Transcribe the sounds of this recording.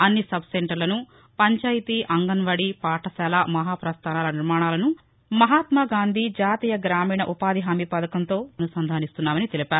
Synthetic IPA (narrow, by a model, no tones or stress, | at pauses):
ɐnːisɐbseɳʈɐɾlɐnu | pɐɲt͡ʃaːjit̪iʔɐŋɡɐnʋɐɽipaːʈʰɐsɛːlaːmɐɦaːpɾɐst̪ʰaːnaːlɐniɾmaːɳaːlɐnu | mɐɦaːt̪mɐɡaːnd̪ʱid͡ʒaːt̪iːjɐɡɾaːmiːɳɐʔupaːd̪iɦaːmipɐd̪ɐkɐnt̪o̞ːɐnusɐnd̪ʱaːnist̪unːaːmɐnit̪elipaːɾu